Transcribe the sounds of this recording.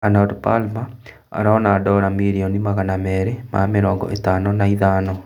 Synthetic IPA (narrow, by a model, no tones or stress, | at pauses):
anɔdpa̰lma | a̰ɾaɔnaːdɔɾamiɾiɔnimaɣanamɛːɾema̰meɾɔːŋɡɔ̰ʔetaːnɔnaiðaːnɔ